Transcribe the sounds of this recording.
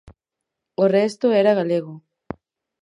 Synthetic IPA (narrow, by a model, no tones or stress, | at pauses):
orest̪oeɾaɣaleɣ̞o